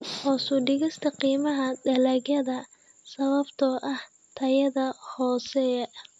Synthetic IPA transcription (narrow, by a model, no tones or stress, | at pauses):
hɔːsʊɖɪɣɪst̪ʰɐqiːmɐɦɐdɐlɐɣjɐðɐ | sɐβɐbt̪ʰɔʔɐh | t̪ʰɐjɐðɐhɔːsɛ